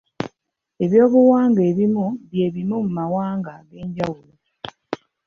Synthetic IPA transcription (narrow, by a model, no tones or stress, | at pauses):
e̞βjo̞ːβuwaːŋɡeːβimuβje̞ːβimumumawaːŋɡaɡe̞ːɲɟawulo